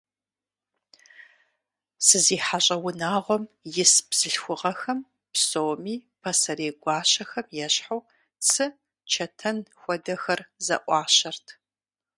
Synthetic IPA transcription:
sɨziːħaɕʼɐwʊnaːʁʷɔmjɪsbz̥ɨɬxʷʊʁɐxɐm | psoːmiːpʰɐsɐɾeːɡʷɑːɕɐxɐmjɛɕħaw | t͡sʰɨ | t͡ʃʰɐtʰɐnxʷɔdɐxɐrzɐ̰ʔʷʼɑːɕɐrtʰ

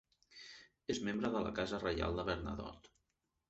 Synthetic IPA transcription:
ezmembɾəðələ̰kazərəja̰lˠd̪əβəɾnə̰ðɔ̰t̪

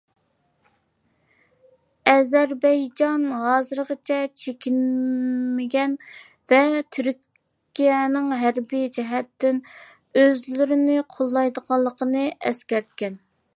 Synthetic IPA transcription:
ɛzæɾbɛjd͡ʒɑnɦɑːzɨɾʁət͡ʃʰɛt͡ʃʰekʲinmɪɡʲɛn | vɛt̪ʰyɾʲ | kʲijɛnɨŋɦæɾbijd͡ʒɛɦɛt̪ːɪn | øzlyɾɪnɪqʰolˠːɑjd̪əʁɑlˠːəqʰənɨɛ̰skʲæɾt̪̚kʲɛn

